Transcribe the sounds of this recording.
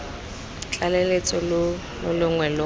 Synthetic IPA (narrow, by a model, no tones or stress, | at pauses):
t͡ɬʼalelet͡sʼɔl | lʊlʊŋwɛlʊ